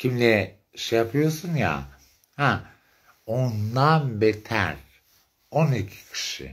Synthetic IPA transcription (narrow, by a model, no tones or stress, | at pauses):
cʰimlʲɛ | ʃejapʰɯjosunja̰ | hæ | ond̪anbet̪ʰæ̰ɾ | onicʰi̥cʰi̥ʃḭ